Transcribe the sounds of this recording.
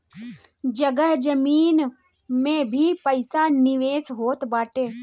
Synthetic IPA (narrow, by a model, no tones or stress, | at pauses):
d͡ʒəɡəɦd͡ʒəmiːn | mẽbʱipəɪsanɪʋeːsɦoːt̪baːʈeː